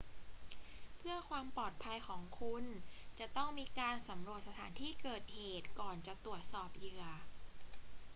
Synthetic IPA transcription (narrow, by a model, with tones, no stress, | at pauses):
pʰɯ˥˩ɐkʰwaː˧mpɔː˨˩t̪̚pʰa˧jkʰɔː˩˦ŋkʰu˧nt͡ɕa˨˩t̪ɔ˥˩ŋmiː˧kaː˧nsa˩˦mɾu˨˩ət̪̚sa˧t̪ʰaː˩˦nt̪ʰiː˥˩kɤː˨˩t̪̚heː˨˩t̪̚kɔː˨˩nt͡ɕa˨˩t̪ɾu˨˩ət̪̚sɔː˨˩p̚jɯ˨˩ə